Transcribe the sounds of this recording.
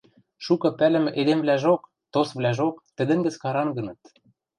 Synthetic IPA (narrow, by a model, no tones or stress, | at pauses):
ʃukɤ̆pælɘ̆mɘ̆ʔed̪emvlæʒok | t̪osβlæʒokt̪ɘ̆d̪ɘ̆ŋɡɘ̆t͡skɑɾɑŋɡɤ̆nɤ̆t̪